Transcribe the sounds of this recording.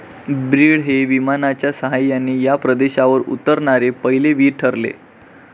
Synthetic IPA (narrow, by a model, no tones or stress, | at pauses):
bɾiɽɦeʋimanat͡ɕjasəɦajːanːiːjapɾəd̪eɕaʋəɾṵt̪əɾɳaɾepəɦileʋiːɾʈʰəɾlḛ